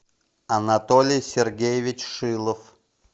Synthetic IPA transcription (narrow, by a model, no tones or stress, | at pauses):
ɐnɐt̪olʲɪjsʲɪrɡʲejɪvʲɪt͡ɕʂɨlˠəf